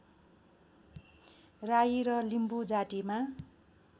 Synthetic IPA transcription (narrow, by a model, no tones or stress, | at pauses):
rajiɾʌlimbud͡zaʈima